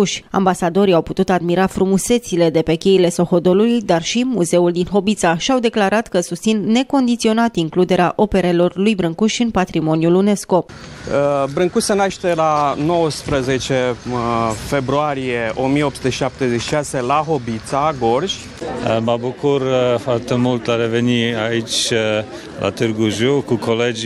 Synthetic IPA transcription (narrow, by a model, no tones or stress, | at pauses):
ʃʲa̰mbasad̪o̞ɾiawput̪ut̪ad̪miɾafɾumuse̞t̪sile̞d̪e̞pe̞kʲe̞ile̞so̞xo̞d̪o̞lulujd̪arʃimuze̞uld̪inɦo̞bit̪saʃiawd̪e̞klaɾat̪kəsust̪sinːe̞ko̞nd̪it̪sio̞nat̪iŋklud̪e̞ɾea̰ʔo̞pe̞ɾe̞lo̞rlujbɾɨŋkuʃʲɨnpat̪ɾimo̞njulune̞sko̞əbɾɨŋkuʃsenaʃt̪e̞lano̞wəspɾəze̞t͡ʃe̞ | fe̞bɾuaɾijeʔo̞mijeopst̪eʃi̥ʃap̚t̪ezeʃiʃase̞laɦo̞bit̪saɡo̞rʒʲ | əməbukurfoart̪emult̪aɾeveniait͡ʃʲ | lʔa̰t̪ɨrɡuʒukukʰoled͡ʒ